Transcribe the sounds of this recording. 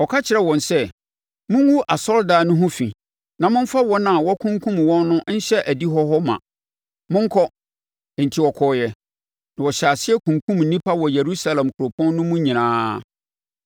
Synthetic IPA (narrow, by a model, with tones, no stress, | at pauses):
ɔ˨kʰa˦t͡ɕʰɪ˨ɾɛ˦wɔ̃˨nsɛ˦ | mʊ̃˦ŋ˦wu˦ʔa˨sɔ˦ɾdaː˨˦nʊ̃˦ɦʊ̃˦fḭ̃˨ | nã˨mʊ̃˦m̩˦fa˦wɔ˦nã˨wɔ˦kʰʊ̃˦ŋkʰũ˦mwɔ̃˦nːʊ̃˦n̩˦ɕɛ˦ʔæ˨di˦ɦɔ˦ɦɔ˦mã̰˨ | mʊ̃˦ŋ̩˦kʰɔ˦ | ɛ˨n̩˨tʰi˦wɔ˨kʰɔː˦jɛ˦ | nã˨wɔ˨ɕa˨sɪ˦ɛ˦kʰũ˨ŋkʰũ˦mn̩ː˨nĩ˦pʰa˦wɔ˨je˨ɾu˦sa˦lã˨mkʰʊ˨ɾo˨pʰɔ̃˦nːʊ̃˦mũ˦ɲĩ˨nãː˦